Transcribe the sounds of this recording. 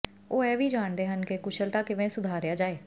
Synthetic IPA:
oːɛːʋiːd͡ʒaːɳd̪eːɦənkɪkʊʃʰəlt̪aːkɪʋẽːsʊd̪ʱaːɾjaːd͡ʒaːeː

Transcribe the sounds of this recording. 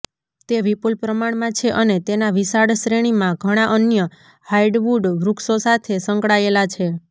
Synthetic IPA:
t̪eʋipulpɾəmaɳmãt͡ʃʰeʔənet̪enaʋisaɽʃɾeɽ̃imãɡʱəɽ̃aʔənjə | haiɖʋuɖʋɾuksosat̪ʰesəŋkɭaelat͡ʃʰe

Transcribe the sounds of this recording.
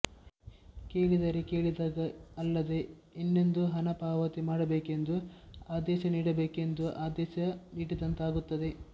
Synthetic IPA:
ke̞ːɭid̪ɐɾeke̞ːɭid̪aːɡɐːlːɐd̪e̞inːend̪uɦɐnɐpaːʋɐt̪imaːɽɐbeːke̞nd̪uaːd̪ɛːʃɐniːɽɐbeːke̞nd̪uʔaːd̪ɛːʃɐniːɽid̪ɐnt̪aːɡut̪ːɐd̪e̞

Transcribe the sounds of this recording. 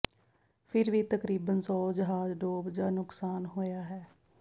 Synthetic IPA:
pʰɪɾʋiːt̪əkɾiːbənsɔːd͡ʒəɦaːzɖoːbd͡ʒaːnʊksaːnɦoːjaːɦɛː

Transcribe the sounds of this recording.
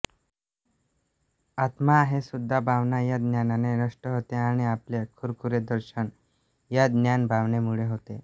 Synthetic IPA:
at̪maːɦesud̪ʱːabʱaʋnajad̪njananenəʂʈəɦot̪eaɽ̃iaplekʰuɾkuɾed̪əɾɕən | jad̪njanbʱaʋnemuɭeɦot̪e

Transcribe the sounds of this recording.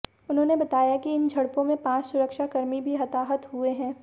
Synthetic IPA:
ʊnɦõːnebɐt̪aːjakiɪnd͡ʒʱɐɽpõmẽpãːt͡ʃsʊɾəkʃakɐɾmibʱiɦɐt̪aːɦət̪ɦueɦɛ̃ː

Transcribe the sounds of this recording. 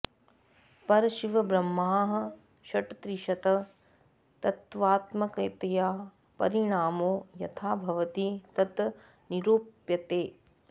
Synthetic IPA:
pɐɾɐʃiʋɐbɾɐmːaːɦɐ̆ | ʃɐʈɐt̪ɾiʃɐt̪ɐ | t̪ɐt̪ʋaːt̪mɐkɐjt̪ɐjaː | pɐ̰ɾiɳaːmoːjɐ̰t̪ʰaːbʱɐʋɐt̪it̪ɐt̪ | niɾoːpjɐt̪eː

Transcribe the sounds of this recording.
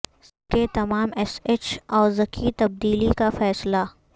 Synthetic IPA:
ket̪ɐmaːmɛseːt͡ʃɔːɾzɐkʰit̪ɐb̚d̪iːlikafɛːsla

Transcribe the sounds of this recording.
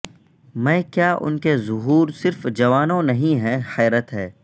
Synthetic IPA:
mɛ̃ːkjaːʔʊ̰nkezʊɦuːɾsɪɾfd͡ʒɐʋaːnõnɐɦĩɦɛ̃xɛːɾət̪ɦɛː

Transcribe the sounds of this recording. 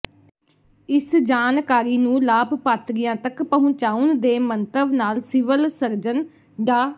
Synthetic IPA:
ɪsd͡ʒaːnkaːɾiːnũːlaːbpaːt̪ɾɪjãːt̪əkpəɦʊ̃t͡ʃaːʊnd̪eːmənt̪əʋnaːlsɪʋəlsəɾd͡ʒən | ɖaː

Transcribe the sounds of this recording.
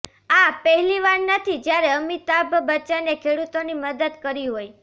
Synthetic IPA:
apəɦɛliʋaɾnət̪ʰid͡ʒjaɾeəmit̪abʱbət͡ʃanekʰeɽut̪oniməd̪əd̪kəɾiɦoj

